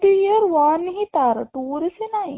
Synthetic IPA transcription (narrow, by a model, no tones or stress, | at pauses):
d̪ujɐɾʋaːnɦit̪aːɾɐʈuːɾisina